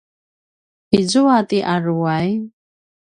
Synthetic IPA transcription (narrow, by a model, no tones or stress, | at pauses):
id͡zɔat̪ʼiʔaruwaj